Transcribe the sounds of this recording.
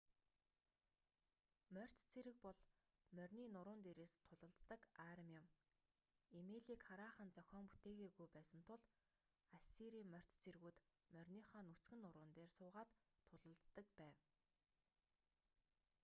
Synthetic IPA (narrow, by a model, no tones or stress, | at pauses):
mœr̥t̪t͡sʰeɾɘ̆k̚pɔɮ | mœrʲniːnʊɾʊːnt̪eːɾeːst̪ʰːʊɮə̆ɮt̪ːə̆kaɾə̆mjɪ̆m | imeːɮiːkχaɾaːχə̆nt͡sœxʲɔːmput̪eːɣeːɣujpæːsə̆nt̪ʰʊɮ | asiɾiːmœr̥ʲt̪t͡sʰerɣuːt̪mœrʲniːχɔːnut͡sɡɘ̆nːʊɾʊːnt̪eːrsʊːʁaːt̪ʰːʊɮə̆ɮt̪ːə̆kpæːw